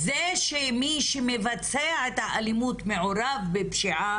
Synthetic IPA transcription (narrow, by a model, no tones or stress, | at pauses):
zeʃemiʃemevat͡seaʕet̪haʔalimut̪me̞ʕoɾavbepʃiʕa